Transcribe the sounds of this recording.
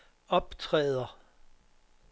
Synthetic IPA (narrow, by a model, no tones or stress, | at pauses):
ɒ̽b̥t͡sʰʁɛ̰ːð̞ˠɐ